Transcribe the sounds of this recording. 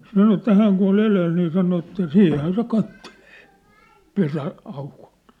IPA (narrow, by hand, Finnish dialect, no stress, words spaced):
sɑno etːæ hæːŋ kun̞ ol eleːl niː sɑno etːæ siːhˑæn se kɑtːeleː pesæ ɑuko̥l̥t